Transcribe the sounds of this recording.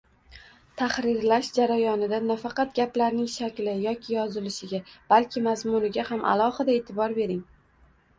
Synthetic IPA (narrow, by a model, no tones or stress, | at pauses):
t̪ʰahɾɪɾlaʃd͡ʒaɾajɒnɪd̪anafɑqɑt̪̚ɡʲaplaɾnɪŋʃakʲlɪjɒkʲʰɪjɒzɪlɪʃɪɡʲab̥alkʲʰɪmazmʊnɪɡʲahamʔa̰lˠɒhɨd̪ae̞t̪ʰɪbɒɾbe̞ɾɪŋ